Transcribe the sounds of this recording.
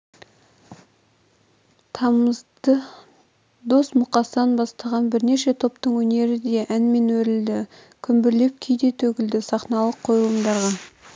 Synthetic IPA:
t̪ʰɑməzd̪ə | d̪o̞smʊqɑsəɑnbɑst̪ɑʁɑnbɪɾne̞ʃe̞t̪ʰo̞pt̪əɴwɵne̞ɾɪd̪e̞ʔænme̞nwɵɾɪld̪ɪ | kʲʰʏmbɪɾle̞p̚kʲʰejd̪e̞t̪ʰɵɡʲɪld̪ɪsɑχnɑlˠəqʰːo̞jlˠəmd̪ɑɾʁɑ

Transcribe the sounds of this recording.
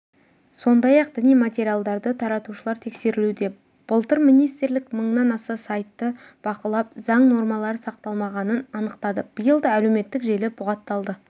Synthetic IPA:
so̞nd̪ɑjɑq̚d̪ɪnijmat̪ʲe̞ɾijalˠd̪ɑɾd̪ət̪ʰɑɾɑt̪uʃəlˠɑɾt̪ʰe̞kse̞ɾɪlud̪e̞ | b̥əlˠt̪əɾminijst̪ɾlɪkməɴnɑnɑsɑsɑjt̪ːəb̥ɑqəlˠɑp̚zɑɴno̞ɾmɑlˠɑɾəsɑq̚t̪ɑlˠmɑʁɑnənɑnəqt̪ɑd̪əb̥əjəlˠd̪ɑæleme̞t̪ːɪkʒe̞lɪbʊʁɑt̪ːɑlˠd̪ə

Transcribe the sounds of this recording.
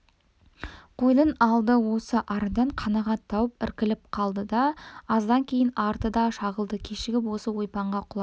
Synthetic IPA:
qʰo̞jlˠənɑlˠd̪əwo̞səʔɑɾd̪ɑɴqʰɑnɑʁɑt̪ʰːɑwəpɪ̰ɾkʲɪlɪp̚qʰɑlˠd̪əd̪ɑːzd̪ɑŋkʲʰe̞jɪnɑɾt̪əd̪ɑʃɑʁəlˠd̪əkʲʰeʃɪɡʲɪpwo̞səwo̞jpɑɴʁɑqʰʊlˠɑ

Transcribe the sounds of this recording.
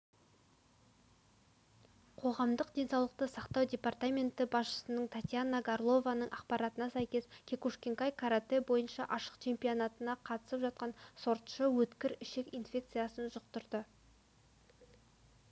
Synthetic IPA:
qʰo̞ʁɑmd̪əqd̪e̞nsɑwlˠəq̚t̪əsɑqt̪ɑwd̪ʲe̞part̪amʲe̞nt̪ɪbɑsʃə̥sənəɴt̪ʰat̪ʲjanːaɡarlˠo̞vanəɴʔɑqpɑɾɑt̪ənɑsæjkʲe̞skʲʰekuʃkʲe̞ŋkajkʰaɾat̪e̞bo̞jənʃɑʔɑʃə̥qt͡ʃʰe̞mpionat̪ənɑqʰɑt̪ə̥səpʒɑt̪̚qɑnso̞ɾt̪ʃəwɵt̪kʲɪɾɪʃe̞kinfʲe̞kt̪sɨjasənʒəq̚t̪ʊɾd̪ə

